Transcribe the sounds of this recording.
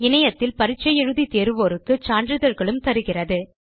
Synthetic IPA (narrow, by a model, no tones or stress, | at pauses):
ɪnɐjɐt̪ːɪlpɐɾɪt͡ʃːɐjɛɻɯðit̪eːɾɯʋoːɾɯkːɯt͡ʃaːɳdɾɯðɐɾɣɐɭɯmt̪ɐɾɯɣɪrɐðɯ